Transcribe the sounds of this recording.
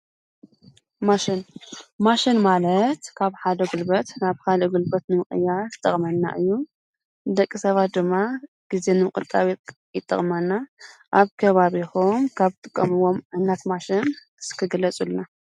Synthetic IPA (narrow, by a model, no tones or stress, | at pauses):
maʃɪnmaʃinmalɐt̪kʰaβħad̪ɐɡulbɐt̪naβkad̪ɐɡulbɐt̪nɨmɨxʼɨ̰jːazt̪ʼɐχʼmɐnːa̰ʔɨjːu | d̪ɐkʼːisɐβat̪̚d̪ɨmːa | ɡ̥ize̞nɨmɨkʼɨ̰t̪ʼːaβ | jɪt̪ʼːɐ̰χʼmɐnːaʔaβkʰɐβaβixumkʰaβt̪ʼɨkʼːɐ̰mɨwo̞mʕɨnːat̪maʃɪn | ɨskʰɨɡɨlɐt͡sʼulna